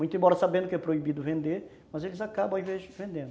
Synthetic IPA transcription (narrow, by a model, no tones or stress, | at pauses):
mũj̃t̪ʊẽbɔɾɐsabẽnd̪ʊkɪɛpɾoibid̪ʊvẽnd̪eɾ | mɐzelɪzakabɐ̃w̃ĩvezɪvẽnd̪ẽnd̪ʊ